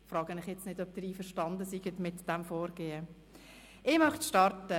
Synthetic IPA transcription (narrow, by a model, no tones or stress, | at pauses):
frɑːɡənɪχjɛt͡snɪdœp̚d̥ɾiːfəɾʃtɑndəsiɡətmɪtd̥ɛmfoːɾɡ̥eːə | ɪːmɑχtʃtɑɾtə